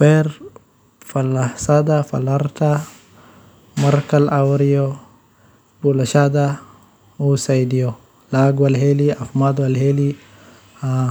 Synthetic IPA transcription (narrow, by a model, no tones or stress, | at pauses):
feɾ | falaħsad̪afa̰laɾt̪a | maɾkalʔawɾijo | bulaʃad̪a | usajdijo | laɡwalɦeliafmad̪walɦeli | a